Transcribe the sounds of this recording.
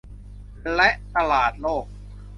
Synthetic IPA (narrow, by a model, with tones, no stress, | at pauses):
lɛ˦˥ʔt̪a˧laː˨˩t̪̚loː˥˩k̚